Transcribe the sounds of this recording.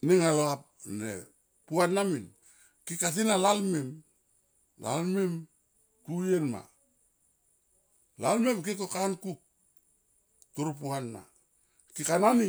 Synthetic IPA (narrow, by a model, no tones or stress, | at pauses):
niŋalap̚nḛ | puanːamin | kikas̬inalalmem | la̰lmem | tujenma̰ | lalmemk̬ik̬okankuk̚ | tuɾup̬uanːa̰ | kikanani